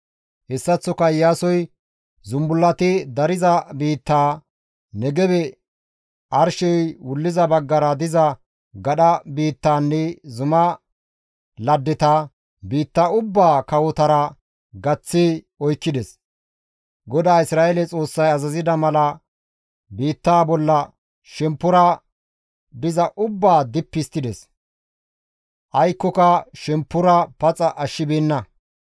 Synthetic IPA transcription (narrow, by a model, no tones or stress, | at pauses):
hɛsːɐt͡sːɔkɐjːaːsɔj | zʊmbʊlːɐt̪ɪd̪ɐɾɪzɐbiːt̪ːaː | nɛɡɛbɛ | ʔɐɾʃɔjwʊlːɪzɐbɐɡːɐɾɐd̪ɪzɐ | ɡɐɗɐbiːt̪ːaːnːɛzʊmɐ | lɐd̪ːɪt̪ɐ | biːt̪ːaʊbːaːkɐwɔt̪ɐɾɐ | ɡɐt͡sːi | ɔjkːɪd̪ɛs | ɡɔd̪aːɪsɾaːɛlɛt͡sʼo̞ːsːɐjɐzɐzɪd̪ɐmɐlɐ | biːt̪ːaːbɔlːɐ | ʃɛmpːʊɾɐ | b̪ɪzɐʔʊbːaːd̪ɪpːɪst̪ːɪd̪ɛs | ʔɐjkːɔkɐʃɛmpːʊɾɐpɐt͡sʼɐʔɐʃːɪbiːnːɐ